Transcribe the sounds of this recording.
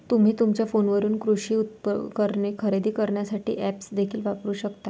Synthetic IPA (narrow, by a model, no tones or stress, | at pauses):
t̪um̤iːt̪umt͡ɕjafonʋəɾuːnkɾuɕiːut̪̚pkəɾɳekʰəɾed̪iːkəɾɳjasaʈʰḭːʔæpsd̪ekʰiːlʋapɾuːɕəkt̪a